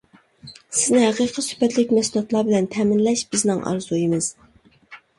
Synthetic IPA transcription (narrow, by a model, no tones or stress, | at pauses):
sɪznɪhæqʰiqʰəsy̥pɛt̪lɪkʲmɛsulˠɑt̪lˠɑbɪlɛnt̪ʰɛːmɪnlɛʃb̥ɪznɪŋʔɑ̰ɾzujimɨz̥